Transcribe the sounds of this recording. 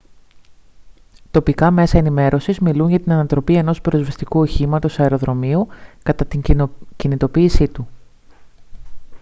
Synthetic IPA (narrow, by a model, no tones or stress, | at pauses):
t̪o̞pikɐme̞sɐe̞nime̞ɾʔo̞sizmiluɲʝɐt̪inɐnɐt̪ɾo̞pie̞no̞spɾo̞zvɐst̪ikuoçimɐt̪o̞sɐeɾo̞ðɾo̞miukɐt̪ɐt̪iɲcinit̪o̞piːsit̪u